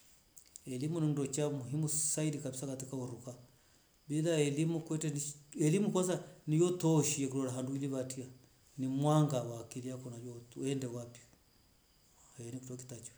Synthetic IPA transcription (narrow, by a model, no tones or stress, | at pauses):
ɛlimunindɔt͡ʃamuɦimusaidikabisakatikauɾuka | biðaɛlimukwɛtɛniɛlimukwɔs̬anijɔtɔʃiɛkuɾɔɾaɦanduiliβatia | nimwaŋɡawakiliakɔnad͡ʒɔɛndɛwapiɔ | haɛnikutɔki̥tat͡ʃu̥